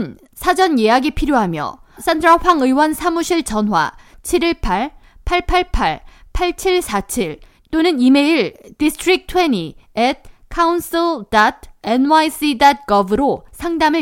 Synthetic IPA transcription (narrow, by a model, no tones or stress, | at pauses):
n | sʰad͡ʑʌnjejaɡipʰiɾjoɦamjʌ̰s͈ʰandɯɾʌɸwaŋɯiwʌnsʰamuɕʰiɭt͡ɕʌnwa̰t͡ɕʰiɾiɭpʰaɭpʰaɭpʰaɭpʰaɭpʰaɭt͡ɕʰiɭsʰat͡ɕʰiɭ | t͈onɯnimeiɭdistʰɾik̚tʰwe̞ɲiet̚kʰauns͈ʰiɭdat̚ʰenwais͈idat̚k͈ʌbɯɾosʰaŋdamɯ